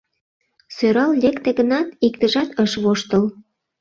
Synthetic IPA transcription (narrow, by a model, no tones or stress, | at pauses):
søɾɑllʲekt̪eɣənɑt̪ikt̪əʒɑt̪əʃβoʃt̪əl